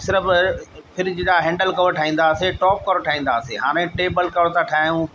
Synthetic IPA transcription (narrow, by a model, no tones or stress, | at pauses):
sɪɾəppʰɪɾd͡ʑeɗaɦɛ̃ːɳɖəlkɐʋɾʈʰaːɦĩːn̆d̪aːseʈɔːp̚kɐɾoʈʰaːɦĩːn̆d̪aːseːɦaːɾ̃ẽʈeːbəlkɐʋɽt̪ʰaʈʰaːjũː